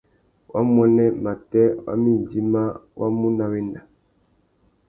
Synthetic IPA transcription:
wʔa̰˦mwɛ˦nɛ˦ma˨tɛ˦wa̰˦mi˦˨d͡ʒi˦ma˦wʔa̰˦mu˦na˨we˦nda˨

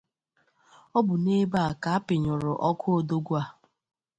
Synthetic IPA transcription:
ɔ˦bʊ˨ne˦ba˦a˨ka˨a˦pɪ˨ɲʊ˨ɾʊ˨ʔɔ˦kʰʊ˦o˨do˦ɡʷu˦a˨

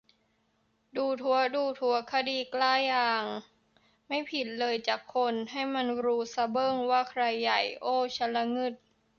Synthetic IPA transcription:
duː˧t̪ʰu˧˦ɐduː˧t̪ʰu˧˩˦ɐkʰa˧diː˧klaː˥˩jːaaː˧˩ŋ | ma˥˩jpʰi˨˩t̪̚lɤː˧jt͡ɕaː˨˩kʰːo˧nɦa˥˩jma˧˥˨nɾuː˦˥sa˧˦bɤː˥˩ŋwaː˥˩kʰɾa˧jːa˨˩jʔoː˥˩t͡ɕʰa˧˥nla˧ŋɯ˧˥˩t̪̚

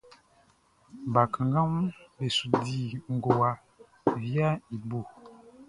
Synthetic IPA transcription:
ba˨ka˨ŋɡa˦mu˦be˨su˨di˦˨ŋ˨ɡo˨wa˨ | vi˦a˦i˨bu˨

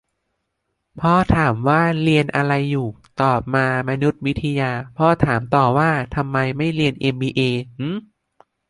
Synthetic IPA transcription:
pʰɔː˧˥˩t̪ʰaː˩˦mwaː˥˩ɾi˧ənʔa˧ɾa˧jːuː˨˩ | t̪ɔː˨˩p̚maː˧ma˧nu˦˥t̪̚wi˦˥t̪ʰːa˧jaː˧pʰɔː˧˥t̪ʰaː˩˦mt̪ɔː˨˩waː˥˩t̪ʰa˧mːa˧jma˥˩jɾi˧ənʔe˧mbiː˧ʔeː˧ʔɯː˧˥˩

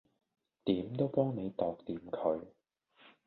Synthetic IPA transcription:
t̪iː˨˥mt̪o˥wpɔː˥ŋne˨˧jt̪ɔː˨k̚t̪iː˨˧mkʰɵ˨˧ɥ

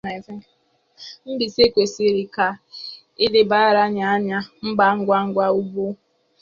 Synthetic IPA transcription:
a˨fe˦ | m̩˦bi˨se˦kʷe˨si˦ɾi˨ka˨ | ɪ˦dɪ˦ba˦a˦˨ɾa˦ɲa˦a˦ɲa˦m̩˦ɡ͡ba˦ŋ̩˦ɡʷa˦ŋ̩˦ɡʷa˦u˦bu˦

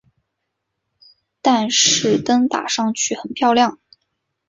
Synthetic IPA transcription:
t̪a˥˧nʂɻ̩˥˩t̪ə˥ŋt̪a̰˨˩ʂɑ˥˧ŋt͡ɕʰy˥˩xə˨˩npʰjɑ˥˧ʊljɑ˥˩ŋ

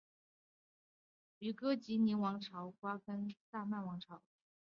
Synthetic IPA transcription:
y˨˩kɤ˥t͡ɕi˧˥ni˧˥nwɑ˧˥ŋʈ͡ʂʰɑ˧˥ʊkwa˥kə˥nt̪a˥˧ma˥˩nwɑ˧˥ŋʈ͡ʂʰɑ˧˥ʊ

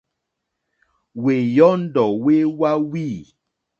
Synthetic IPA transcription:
we˨jɔ˦n̩˦dɔ˨we˦wa˦wiː˦˨

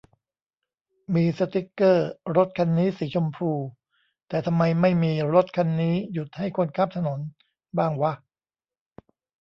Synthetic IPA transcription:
miː˧sa˧t̪i˦˥kːɤː˥˩ɾo˦˥t̪̚kʰa˧nːiː˦˥si˩˦t͡ɕʰo˧mpʰɾuː˧ | t̪ɛː˨˩t̪ʰa˧mːa˧jma˥˩jmiː˧ɾo˦˥t̪̚kʰa˧nːiː˦˥ju˨˩t̪̚ha˥˩jkʰo˧nkʰa˥˩p̚t̪ʰa˧no˩˦n | baː˥˩ŋwa˦˥˩ʔ

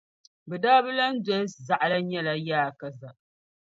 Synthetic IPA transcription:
bɛ˨daː˦bɨ˦la˦n̩˦dɔ˦lza˨ʔla˦ɲɛ˦la˨jaː˦˨ka˨za˨ʔ

